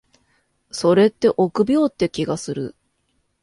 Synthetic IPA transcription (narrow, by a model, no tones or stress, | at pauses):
so̞ɾe̞t̪ːe̞ʔo̞kɯ̟bʲo̞ːt̪ːe̞kʲiɡasɨɾɯ̟